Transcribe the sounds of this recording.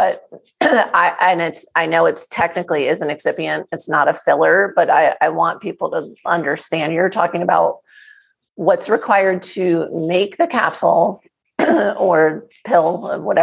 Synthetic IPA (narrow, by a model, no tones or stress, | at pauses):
b̥ʌt̚ | aɪʔɨ̃nɪtsaɪnoʊɨtstʰɛk̚nɨkliɪzɨ̃n̩ɨksɪpiɨ̃ntɨtsnəɾɨfɪlˠə˞b̥ʌɾaɪaɪwɑ̃npʰipl̩ˠtəʌ̃ndə˞stæ̃njə˞tʰɔkɪ̃ŋɨbaʊt̚ | wʌtsɹɨkʰw̥aɪə˞d̚tʰɨmeɪk̚ðɨkʰæ̰psl̩ˠ | ə˞pʰɪlˠʌ̰wʌɾɛ